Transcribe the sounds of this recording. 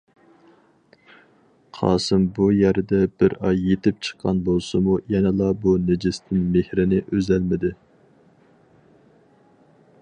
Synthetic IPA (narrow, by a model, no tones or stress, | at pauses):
qʰɑ̰ːsɨmbujæɾd̪ɛbɪɾɑjːet̪ɪp̚t͡ʃʰə̥qʰːɑnbolˠsɨmujɛnɛlˠɑbunɪd͡ʒɪst̪ʰɪnmehɾɪnɪʔøzɛlmɪd̪ɪ